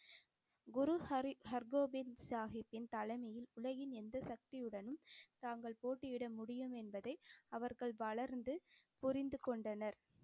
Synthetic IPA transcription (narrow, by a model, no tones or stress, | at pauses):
ɡʊɾuhɐɾɡoːbɪnsaːɣɪpːɪnt̪ɐlɐɪmɐjɪlʊlɐɣɪnɛnd̪ɐsɐk̚t̪ɪjɯɽɐnɯmt̪aːŋɡɐɭpoːʈːɪʋɪɽɐmʊɽɪjɯmɛnbɐðɐɪɐʋɐɾɣɐɭʋɐɭɐɾnd̪ɯpʊɾɪnd̪ɯkɔɳɖɐnɐɾ